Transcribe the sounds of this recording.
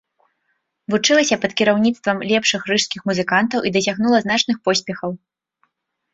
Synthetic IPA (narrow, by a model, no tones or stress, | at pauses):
vut͡ʂɨlˠɐsʲɐpɐt̪kʲiɾawnʲit̪st̪vɐmlʲɛpʂɨxrɾɨʂskʲixmuzɨkant̪ɐwʔid̪ɐsʲaɣnulˠɐznat͡ʂnɨxpɔsʲpʲɛxɐw